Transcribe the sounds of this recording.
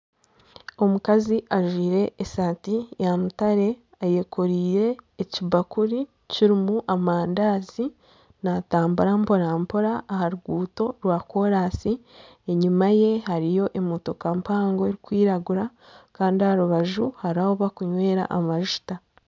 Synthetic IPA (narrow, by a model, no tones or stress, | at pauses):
o̞mukaziʔaʒwiːɾe̞ʔːsaːtijanutaɾe̞ | aje̞koɾiːɾe̞ːcibakuɾi | ciɾimuʔamaːndaːzi | nataːmbuɾampo̞ɾaːmpoɾaːhaɾuɡuːto̞ɾwaːko̞ɾaːsi | eɲumaje̞ɦaɾijo̞ʔemoto̞kampaːŋɡoeɾikwiːɾaɡuɾa | kaːndihaɾuβaʒuhaɾaoβakuɲwe̞ːɾa̰ʔamaʒ̥ta